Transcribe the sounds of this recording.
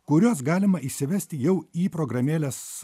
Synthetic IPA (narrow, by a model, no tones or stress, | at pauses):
kʊɾʲoːs̬ɡɑːlʲɪmɐiʃʲsʲɪʋʲɛsʲt̪ʲɪjɛʊiːpɾoːɡɾɐmʲeːlʲɛs